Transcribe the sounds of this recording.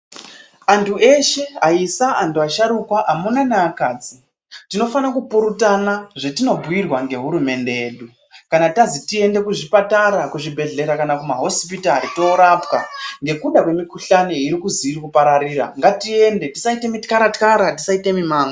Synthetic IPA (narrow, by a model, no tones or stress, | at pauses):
antʰue̞ʃe̞ɦaisaantʰuaʃaɾukwaʔamunanaakaːd͡zi | tino̞fanakupuɾutanaʐetino̞bʱujirwaŋɡe̞ɦuɾume̞nde̞eɗu | kanatazitie̞nde̞kuʐipataɾakuʐibʱe̞ɮe̞ɾakanakumaɦo̞spitaɾitoːɾap̚kaŋɡe̞kuɗakwe̞mikuɬanoiɾikuziːrikupaɾaɾiːɾa̰ŋɡatie̞nde̞ti̥saite̞mitkaɾatkaɾatisaite̞mimaːŋɡa